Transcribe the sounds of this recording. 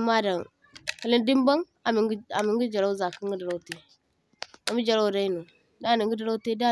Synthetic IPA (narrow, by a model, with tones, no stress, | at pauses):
ma˦da˨ŋ | ki˨li˦ndi˦mba˦ŋ | a˨mi˨˦a˨mi˨ŋɡi˦d͡ʒa˨ɾa˦u˦za˨ki˦ŋ˦ɡə˦da˨ɾa˦u˦te˦ | a˨mi˦d͡ʒa˨ɾa˦u˨da˦i˦nu˨ | da˦˨ni˨ŋɡi˦da˦ɾa˦te˦da˦